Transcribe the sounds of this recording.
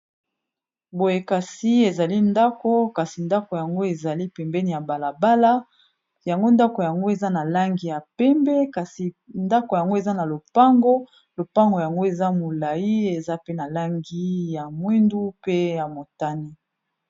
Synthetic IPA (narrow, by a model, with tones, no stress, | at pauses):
bo˨je˨ka˨si˦e˨za˨li˦nda˦ko˦ka˨si˨nda˦ko˨ja˨ŋɡo˦e˨za˨li˦pɛ˨mbɛ˦ni˨ja˨ba˨la˨ba˦la˦ | ja˨ŋɡo˦nda˦ko˨ja˨ŋɡo˦e˨za˦na˨la˦ŋɡi˨ja˨pɛ˦mbɛ˦ka˨si˨ | nda˦ko˨ja˨ŋɡo˦e˨za˦na˨lo˨pa˦ŋɡo˦ | lo˨pa˦ŋɡo˨ja˨ŋɡo˦e˨za˦mo˨la˨ji˦e˨za˦pe˦na˨la˦ŋɡi˦ja˨mwi˦ndu˦pe˦ja˨mo˨ta˦ni˦